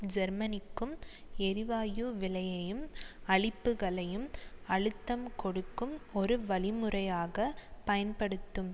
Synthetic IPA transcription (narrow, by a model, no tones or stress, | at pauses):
d͡ʒɛɾmɐnɪkːɯmɛɾɪʋaːjuːʋɪlɐjɐjɯmɐɭɪpːɯɣɐɭɐjɯmɐɭɯt̪ːɐmkɔɽɯkːɯmɔɾɯʋɐɭɪmɯrɐjaːɣɐpɐjɐnpɐɽɯt̪ːɯm